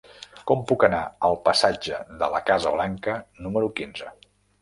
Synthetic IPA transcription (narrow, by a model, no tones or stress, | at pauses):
kɔmpukənaəlˠpəsad͡ʒəðələkazəβlaŋkənuməɾukinzə